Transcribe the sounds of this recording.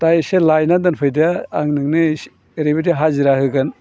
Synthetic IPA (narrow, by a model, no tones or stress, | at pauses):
tajselajnadɐnpʰɯjda̰ːŋnɯŋnɯ | ɾebidiɦaziɾahɯɡɐn